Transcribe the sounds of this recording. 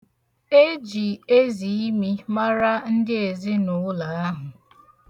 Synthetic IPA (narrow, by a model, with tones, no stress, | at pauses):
e˦d͡ʒi˨e˦zi˨i˦mi˦ma˦ɾa˦n̩˦dɪ˦e˨zɪ˦nʊ˨˦la˨a˦ɦʊ˨